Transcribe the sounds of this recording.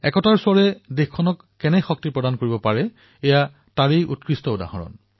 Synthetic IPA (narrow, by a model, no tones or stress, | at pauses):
ɛ̰kɔtaɹsʊaɹɛdexkʰɔnɔkːɛnɛxɔk̚tiɹpɹɔdankoɹibɔpaɹɛ | ɛja | taɹejʔṵt̚kɹistɔʊda̰ɦɔ̰nɔ̰n